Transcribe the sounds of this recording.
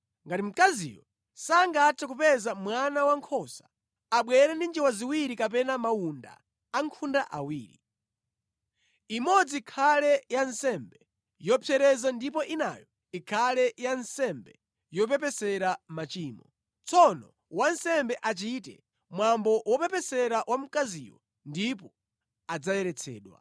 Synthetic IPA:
ŋɡatim̩kazḭjɔ | saŋɡatʰɛkupɛzamwanawaŋkʰɔsḁ | aɓwɛɾɛndind͡ʒiwaziwiɾikap̬ɛnamawunda̰ː | ŋkʰundaʔa̰wiːɾi | imɔd͡zikʰalɛjansɛmbɛ | jɔpʰjɛɾɛzandip̬ɔʔina̰jɔ | ikʰalɛjansɛmbɛ | jɔp̬ɛpɛsɛɾamat͡ʃiːmɔ | t͡sʰɔnɔ | wansɛmbɛʔat͡ʃitɛ̰ | mwambɔwɔpɛpɛsɛɾawʔam̩kazḭwɔ | ndip̬ɔ | ad͡zajɛɾɛt͡sʰɛ̰ːɗwa̰

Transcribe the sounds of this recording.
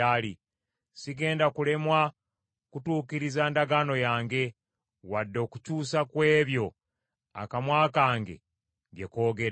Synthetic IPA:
ali | siɡe̞ːndakule̞mwa | kutuːkiɾizaːndaɡano̞jaːŋɡe̞ | wadːo̞ːkucuːsakwe̞ːβjo̞ | a̰kamwaːkaːŋɡe̞̰ | ɡe̞ko̞ːɡe̞ɾ

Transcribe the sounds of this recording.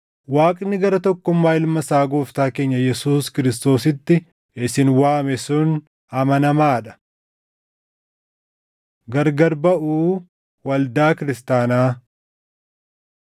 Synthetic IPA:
waːkʼnːɪɡɐɾɐt̪ɔkːʊmːaːɪlmɐsaːɡoːft̪aːke̞ːɲːɐjɛsuːskɪɾɪst̪o̞ːsɪt̪ːɪ | ɪsɪnwaːmɛsuːn | ɐmɐnɐmaːᶑɐ̥ | ɡɐɾɡɐɾbɐʔuː | wɐld̪aːkɪɾɪst̪aːnaː

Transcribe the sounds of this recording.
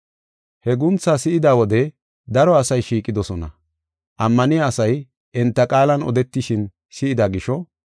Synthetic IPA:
hɛɡʊnt͡sːaːsɪɪd̪aːwɔd̪ɛ | d̪ɐɾɔɐsɐjʃiːkʼɪd̪ɔsɔnɐ̰ | ʔɐmːɐnɪjaːsɐj | ʔɛnt̪ːɐkʼaːlɐnɔ̰d̪ɛt̪ːɪʃɪn | sɪɪd̪aɡɪʃɔ

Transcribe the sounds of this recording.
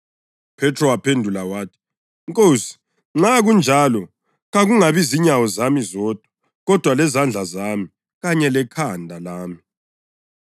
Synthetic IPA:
pʰɛtʰʼrɔwapʰendʱulawaːtʰi̥ | ŋkʼoːsi̥ | ŋ͡ǁaɣund͡ʒʱalɔ | ɣaɣuŋaβiziɲawɔzamizɔːd̥ʱɔ̥ | ɣɔd̥ʱwalɛzand͡ɮʱazaːmi | ɣaɲɛlɛkʰandʱalaːmi

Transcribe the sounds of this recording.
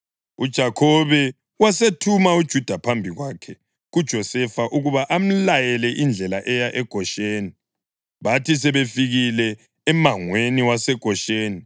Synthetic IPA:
ud̥ʒ̥ʱakʰɔβɛ | wasetʰumaud̥ʒ̥ʱud̥ʱapʰambʱiɣwakʰɛ | ɣud̥ʒ̥ʱɔsɛfaʔuɣuβaʔam̩lajɛlɛʔind͡ɮʱɛlaʔɛjaʔɛɡ̥ʱɔʃeːni | βatʰisɛβefiɣilɛː | maŋweniwasɛɡ̥ʱɔʃeːni

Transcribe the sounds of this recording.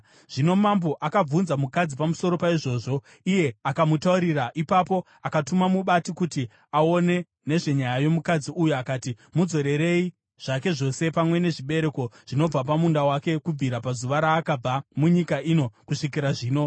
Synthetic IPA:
ʐ̥ino̞mambo̞ʔakab͡vunzamukad͡zipamuso̞ɾo̞paiʐo̞ːʐo̞ | ije̞akamutauɾiraʔipapo̞ | akatumamuɓatikuti | ao̞ne̞ | ne̞ʐe̞ɲajajo̞mukad͡ziʔujuakaːti | mud͡zo̞ɾe̞ɾe̞i | ʐ̥ake̞ʐo̞se̞pamwe̞ne̞ʐiɓe̞ɾe̞ko̞ʐ̥ino̞b͡vap̬amundawake̞kub͡viɾapazuʋaɾaːkab͡vamuɲikaʔino̞kuʂik̬iɾaʐiːno̞

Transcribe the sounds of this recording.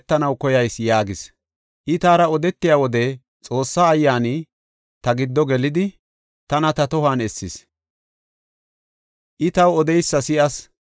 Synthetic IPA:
t̪ːɐnɐwkɔjɐjsjaːɡɪs | ʔɪt̪aːɾɐɔd̪ɛt̪ːɪjaːwɔd̪ɛ | t͡sʼo̞ːsːaːjːaːnɪ | t̪ɐɡɪd̪ːɔɡɛlɪd̪ɪ | t̪ɐnɐt̪ɐt̪ɔhaːnɛsːɪs | ʔɪt̪ɐwɔd̪ɛjsːɐsɪʔɐs

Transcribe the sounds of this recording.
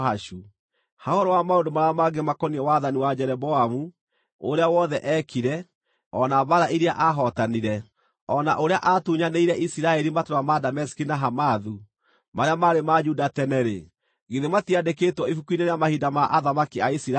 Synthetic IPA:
aʃu | haɔɾɔwamaondomaɾaamaɡemakɔniɛwaðaniwad͡ʑɛɾɛbɔamu | oɾeawɔðɛʔɛkʰiɾɛ | ɔnaβaɾaʔiɾiaʔaɦɔtaniɾɛ | ɔnaʔoɾeaʔatuɲaneiɾɛʔisiɾaɛɾimatoɾamadamɛsi̥kinaɦamaðu | maɾeamaɾemad͡ʒudatɛnɛɾḛ | ɣiðematiadekeːtwɔifukuineɾeamahidamaʔaðamakiaisiɾa

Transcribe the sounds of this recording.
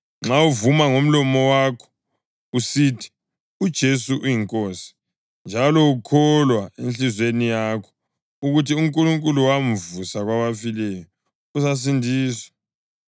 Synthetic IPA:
ŋ͡ǁauvumaŋom̩lɔmɔwakʰɔ̥ | usitʰi̥ | ud̥ʒ̥ʱesuʔujiŋkʼoːsi̥ | nd͡ʒʱalɔukʰɔlwaenɬizwenijakʰɔ̥ | uɣutʰiuŋkʼuluŋkʼuluwaɱ̩vusaɣwaβafilɛjɔ | us̬as̬indʱiːswɔ̥

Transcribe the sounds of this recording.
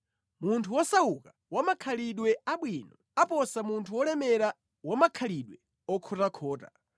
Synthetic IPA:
muntʰuwɔsauka | wamakʰaliɗwɛaɓwinɔ | apɔsamuntʰuwɔlɛmɛɾa | wamakʰaliɗwɛ | ɔkʰɔtakʰɔːta̰

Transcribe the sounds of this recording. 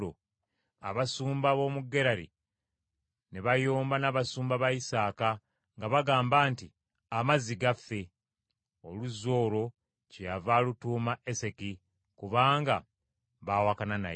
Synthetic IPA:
o̰ | a̰βasuːmbaβo̞muɡːe̞ɾaɾḭ | neβajoːmbanaβasuːmbaβajisaːka | ŋɡaβaɡaːmbaːnti | amaziɡafːe̞ | oluzo̞ːɾo̞ | cejavaːlutuːmaʔe̞se̞ki | kuβaːŋɡa | βaːwakanana̰

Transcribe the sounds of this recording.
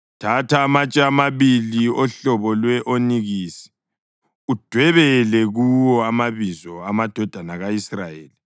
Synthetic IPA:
tʰatʰaːmat͡ʃʼaːmaβiliɔɬɔβɔlwɛʔoniɣiːsɛ̥ | ud̥ʱwɛβɛlɛɣuwɔamaβizɔamad̥ʱɔd̥ʱanaɣaisrajeːli

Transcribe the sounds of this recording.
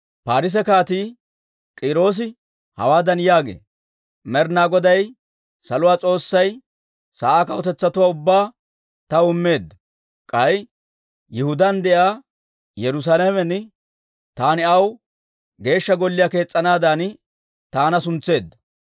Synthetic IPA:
paːɾɪs̬ɛkaːt̪iː | kʼɪɾo̞ːs̬ɪ | hɐ̰waːd̪ɐnjaːɡḛː | mɛɾnaːɡɔd̪ɐj | sɐlʊwaːt͡sʼo̞ːsːɐj | saːaːkɐwɔt̪ɛt͡sːɐt̪ʊwaːʊbːaː | t̪ɐʊmːe̞ːd̪ːɐ | kʼɐj | jɪhʊd̪ɐnd̪ɛʔaː | jɛɾʊs̬aːlɐmɛnː | t̪aːnɪɐw | ɡe̞ːʃːɐɡɔlːɪjaːke̞ːt͡sʼːɐnaːd̪aːn | t̪aːnɐsʊnt͡sːe̞ːd̪ːɐ

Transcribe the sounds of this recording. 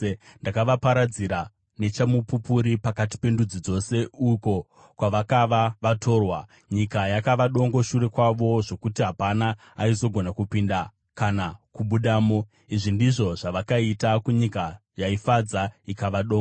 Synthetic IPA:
ndakaʋapaɾad͡ziɾa | ne̞t͡ʃamupupuɾipakati̥pe̞ndud͡zid͡zo̞se̞uko̞ | kwaʋakaʋaʋatʰo̞ːrwa | ɲikajakaʋaɗo̞ŋɡo̞ʃuɾe̞kwaʋo̞ʐo̞kutiɦapanaː | izo̞ɡʱo̞nakupinda | kanakuɓuɗaːmo̞ | iʐindiʐo̞ʐaʋakaitakuɲika | jaifad͡zaikaʋaɗoːŋɡa

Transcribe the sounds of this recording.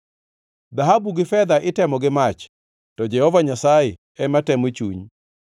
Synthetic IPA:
d̪aɦabuɡɪfɛd̪aʔɪtɛmɔɡɪmat͡ʃ | tɔd͡ʒɛhɔvaɲasajɪ | ɛmatɛmot͡ʃṵɲ

